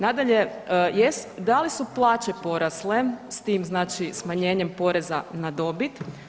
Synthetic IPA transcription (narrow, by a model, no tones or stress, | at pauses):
nad̪aʎeəjesd̪alisuplˠaːt͡ɕe̞po̞ɾaslest̪iːmznaːt͡ʃismaɲe̞ːɲempo̞ɾe̞zanad̪o̞bit̪